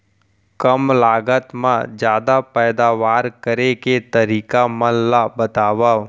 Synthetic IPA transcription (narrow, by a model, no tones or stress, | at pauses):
kəmlaːɡət̪mãd͡ʒjaːd̪apɛːd̪aːʋaːɾkəɾeket̪əɾiːkaməllabət̪aːʋaː